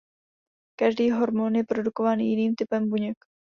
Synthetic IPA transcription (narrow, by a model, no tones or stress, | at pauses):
kaʒdiːɦo̞ɾmonjɛpɾo̞duko̞vaːnjɪniːmt̪ɪpɛmbuɲɛk